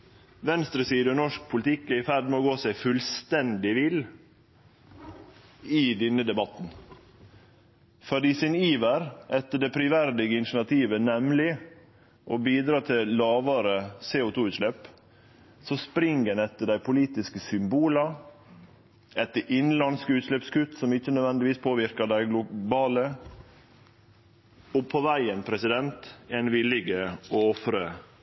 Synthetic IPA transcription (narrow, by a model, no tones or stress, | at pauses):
ʋɛnst̪ɾəsiːd̪əɔnɔʂk̚pʰʊlɪt̪ʰɪkːɛɾɪfæɖmɛoːɡoːsæɪfʉlst̪ɛnd̪ɪʋɪl | ɪd̪ɪnːəd̪ɛbɑt̪n | fɔɖɪːsɪniːʋəɾʔɛt̪ːəɖɛpʰɾʏʋæɾd̪ɪɡəɪnʃɳɑt̪ʰiːʋənɛmlɪ | ʔobiːd̪ɾɑːt̪ʰɪlɑːʋɑɾəseːʊt̪ʰuːʉːt̪ʂlɛp | sɔspɾɪŋɡənɛt̪ːəɖæɪpʰʊliːt̪ɪskəsʏmbuːlɑ | ɛt̪ːəʔɪnlɑnskəʉːt̪ʂlɛpskʉt̪ːsɔmɪçənœʋɛnd̪ɪʋiːspʰoːʋɪɾkəɖæɪɡlʊbɑːlə | ɔpʰɔʋæɪənpʰɾɛsɪd̪ɛnt̪ɛnʋɪlɪɡəɔɔfɾə